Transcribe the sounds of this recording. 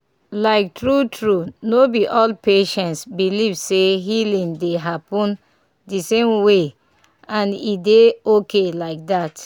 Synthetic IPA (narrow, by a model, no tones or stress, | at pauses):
laɪk̚tɹutʰɹunobiʔɔlpeʃɛ̃ntsbilivseɦilĩndeɦapɔ̃n | disẽmwe | ãnideokelaɪk̚dat